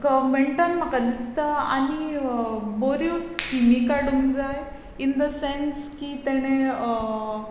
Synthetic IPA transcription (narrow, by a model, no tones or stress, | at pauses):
kameɳʈənm̤əkad̪ist̪aa̰ɽ̃i | boɾjoskimiːkaɽuːnd͡zaj | ind̪əsenskiːt̪ɛɽ̃e